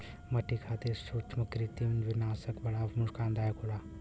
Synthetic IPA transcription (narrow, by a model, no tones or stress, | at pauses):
mɐʈikʰat̪esut͡ʃʰmɐkɾit̪imnʋɪnaːsəkbɐɽamuʐkãːnd̪aːjkʰola